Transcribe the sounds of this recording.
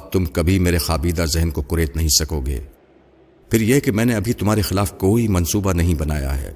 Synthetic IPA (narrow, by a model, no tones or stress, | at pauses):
t̪ʊmkɐbʱimeːɾexaːbiːd̪azɛɦnkokʊɾeːt̪nɐɦĩsɐkoːɡḛː | pʰɪɾjekemɛ̃ːneɐbʱit̪ʊmɦaːɾexɪlaːfkoːimɐnsuːbanɐɦĩbɐnaːja̰ɦɛ̰ː